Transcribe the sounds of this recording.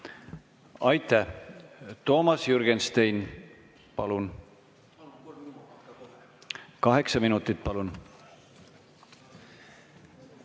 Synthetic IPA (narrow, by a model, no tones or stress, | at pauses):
ɑjt̪ːˑæ | t̪o̞ːmɑsjuɾɡ̥enst̪ejn | pɑlun | kɑɦe̞ksɑminut̪ːˑit̪̚ːpɑlun